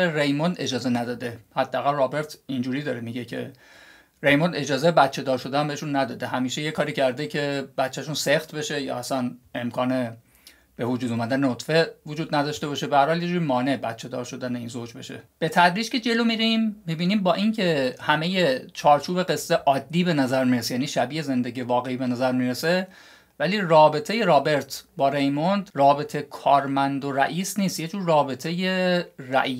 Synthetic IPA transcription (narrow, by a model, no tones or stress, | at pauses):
eɾejmond̪e̞d͡ʒɒːze̞næd̪ɒːd̪e̞hæd̪ːææɣælrɒːbe̞ɾt̪ʰind͡ʒuːɾiːd̪ɒːɾemiɟe̞cʰe̞̰ | ɾe̞jmond̪e̞d͡ʒɒːzejebæt̪t͡ʃʰe̞d̪ɒːɾʃo̞d̪ææmbeeʃunːæd̪ɒːd̪eɦæmiːʃejekʰɒːɾiːcʰæɾd̪ecʰebæt̪t͡ʃːæʃunsext̪be̞ʃe̞jɒ̰ːæsænemkʰɒːne̞ | b̥e̞vod͡ʒuːd̪uːmæd̪ænenot̪fe̞vod͡ʒuːd̪næd̪ɒʃt̪e̞bɒːʃebehæɾhɒːlje̞d͡ʒuɾimɒːne̞bæt̪t͡ʃʰe̞d̪ɒ̰ːɾʃo̞d̪æneinzoːd͡ʒbe̞ʃe̞̰b̥e̞t̪ʰæd̪ɾiːd͡ʒce̞d͡ʒe̞lo̞miːɾimːibiːniːmbɒːʔincʰe̞hæme̞je̞t͡ʃʰɒːɾt͡ʃʰuːbe̞ɡe̞sːeʔɒːd̪ːiːbe̞næzæɾmiːɾesejæːniːʃæbiːeze̞nd̪e̞ɟiːevɒːɣe̞iːbe̞næzæɾmiːɾese̞ | væliːrɒːbe̞t̪ʰe̞je̞ɾɒːbe̞ɾt̪ʰbɒːɾe̞jmond̪rɒːbe̞t̪ʰekʰɒːɾmænd̪oɾæ̰ʔiːsniːst̪jed͡ʒuːɾːɒːbe̞t̪ʰe̞je̞ræ̰ʔi